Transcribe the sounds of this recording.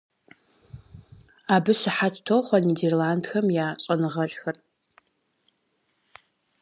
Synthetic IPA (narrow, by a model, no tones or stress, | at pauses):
aːbɨsɨħatʰtʰowχʷɐniːderlaːndxɐmjaːt͡ʃʼɐnɨʁɐɬʼxɐr